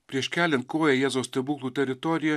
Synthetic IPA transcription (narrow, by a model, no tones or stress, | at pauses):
pʲɾʲiɛʃkʲæːlʲɛnt̪̚koːjɛjɛːzoʊsʲt̪ʲɛbuːklˠuːt̪ʲɛɾʲɪt̪ɔɾʲɪjɛ